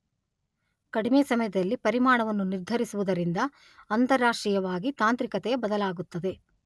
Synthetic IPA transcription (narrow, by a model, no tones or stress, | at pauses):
kɐɽimeːsɐmɐjɐd̪ɐlːipɐɾimaːɳɐʋɐnːuniɾd̪ʱɐɾisuʋud̪ɐɾind̪ɐ | ɐnt̪ɐɾːaːʂʈɾijɐʋaːɡit̪aːnt̪ɾikɐt̪ɛjɐbɐd̪ɐlaːɡut̪ːɐd̪e̞